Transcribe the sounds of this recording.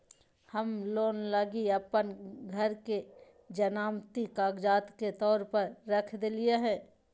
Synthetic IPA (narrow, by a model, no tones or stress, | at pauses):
həmloːnləɡiɐpənɡʱɐɾke | d͡ʒənaːmt̪ikaːɡd͡ʒaːt̪ket̪ɔːɾpɐɾːɐkʰd̪elieɦɛ̃ː